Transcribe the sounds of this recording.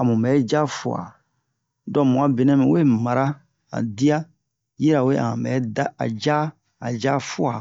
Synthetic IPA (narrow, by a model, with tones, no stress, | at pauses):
a˨mũ˨mbɛ˨˦d͡ʒa˦fu˨a̰˨ | dɔ˦mũ˨a˦bi˨˦nɛ̃˦mĩ˨we˦ma˨ɾa˦ | a̰˨di˦a˦ | ji˦ɾa˨we˦ã̰˨mbɛ˨˦da˦a̰˨d͡ʒa˦ | a˨d͡ʒa˦fu˦a˨